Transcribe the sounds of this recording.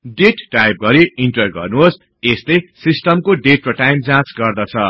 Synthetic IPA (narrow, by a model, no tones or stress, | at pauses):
ɖeʈʈajp̚ɡʌɾiinʈrʌj̚ɡʌ̰rnuɦos | eslesisʈʌmkoɖeʈ̚rʌʈajmd͡zãt͡sɡʌrd̪ʌt͡sʰʌ